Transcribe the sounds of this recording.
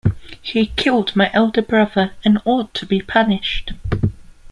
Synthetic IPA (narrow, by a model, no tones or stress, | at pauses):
hikʰɪlˠdmaɪʔɛlˠdəbɹʌðəɹə̃nɔˑd̚tʰəbipʰʌnɪʃt